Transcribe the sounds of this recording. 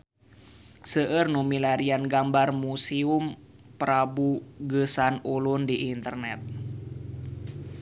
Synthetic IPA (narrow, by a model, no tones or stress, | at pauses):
səʔərnumilaɾianɡambarmusium | pəɾabuɡəsanulundiʔːnt̪ərnɛt̪̚